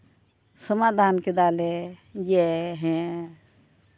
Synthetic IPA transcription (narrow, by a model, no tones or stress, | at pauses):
səmad̪ʱaːnked̪aːlejeɦɛ̃